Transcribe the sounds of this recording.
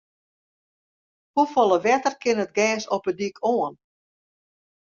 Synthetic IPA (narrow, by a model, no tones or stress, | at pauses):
hufɔlˠəʋɛtərkɪnət̚ɡɛːsɔpədikʰoən